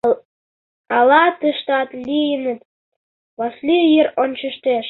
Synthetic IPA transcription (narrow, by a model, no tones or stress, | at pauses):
ɑlɑt̪ə̆ʃt̪ɑt̪lʲijənə̆t̪ | βɑslʲijeronʲt͡ɕə̆ʃt̪eʃ